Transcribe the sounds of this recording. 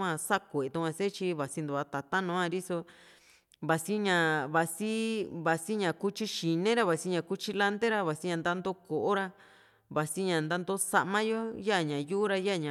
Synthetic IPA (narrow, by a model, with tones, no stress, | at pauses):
ã˧sa˦kʷe˨e˨t̪ũ˧kʷã˧se˦t͡ʃi˧βa˨si˧˦nd̪u˨˧a˧˦t̪a˨t̪a˦nõː˨˦ã˧ɾi˦so˧ | βa˨si˦ɲã˨βa˨si˦βa˨si˦ɲã˨ku˦t͡ʃi˦ʃi˨nẽ˦ɾa˧βa˨si˦ɲã˧˨ku˦t͡ʃi˧la˦nt̪e˦ɾa˧βa˨si˦ɲã˧nd̪a˦nd̪o˧˦ko˨ʔo˦ɾa˧ | βa˨si˦ɲã˨nd̪a˦nd̪o˦sa˧ʔmã˦jo˦ja˦˨ɲã˨ju˦u˦ɾa˧ja˦˨ɲã˨